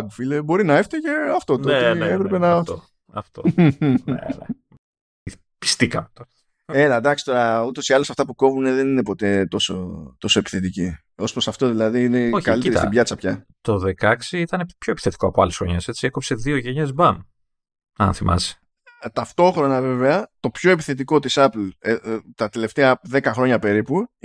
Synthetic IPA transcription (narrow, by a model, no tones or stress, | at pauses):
ɡfilebo̞ɾinɐeft̪ɐʝeɐft̪o̞t̪oot̪iepɾepenɐt | ɐft̪oḛnḛ | pi̥st̪ikɐmt̪ | elɐd̪ɐkst̪o̞ɾɐut̪o̞siɐlo̞sɐft̪ɐpuko̞vune̞ðe̞nine̞po̞t̪e̞t̪o̞so̞̰t̪o̞so̞e̞pi̥θe̞t̪ici | o̞spɾosɐft̪o̞ðilɐðiine̞kalieɾt̪st̪ibʝɐt͡sɐpçɐt̪o̞ðe̞kɐksiit̪ɐnepço̞e̞pi̥θet̪i̥koɐpoɐlesxɾo̞̰ɲese̞t͡siekopse̞ðio̞ʝeɲezbɐm | ɐ̰nθimʔɐ̰si̥ | t̪ɐft̪o̞xɾo̞nɐve̞veɐt̪o̞pço̞epiθe̞t̪̬iko̞t̪isɐplet̪ɐt̪e̞le̞ft̪e̞ɐðe̞kɐxɾo̞ɲɐpe̞ɾipu